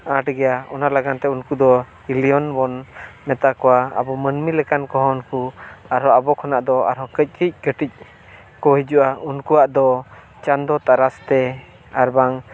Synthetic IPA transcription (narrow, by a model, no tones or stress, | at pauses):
ãʈɡɛjaɔnaʔlaɡant̪ɛunkud̪ɔ | ilijɔnbɔnmɛt̪akɔwaa̰bɔmənmilɛkankɔɦɔunkuaɾɦɔabɔkʰɔnaʔd̪ɔa̰ɾɦɔkəc̚ˀkʰic̚ɡəʈic̚ | kɔhid͡ʒuʔaunkuwaʔd̪ɔ | t͡ʃand̪ɔt̪aɾast̪ɛ | aɾbaŋ